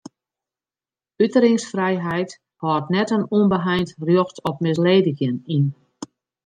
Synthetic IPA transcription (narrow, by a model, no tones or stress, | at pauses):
ytəɾɪŋsfrɛjɦɛjt | hɔːrtnɛtənuənbəɦɛjntrjoxtɔpmɪs̬leːdəɣjənin